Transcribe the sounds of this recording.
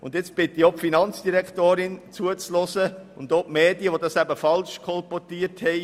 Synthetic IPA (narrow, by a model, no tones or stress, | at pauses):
ʊ̰ndjɪt͡sb̥ɪt̪iopfinɑnt͡sd̥iɾɛktoːɾɪnt͡suət͡slɔsəʊnd̪opmeːdijəʋodɑsæbəfɑlʃkʰɔlpɔtiəthɛɪ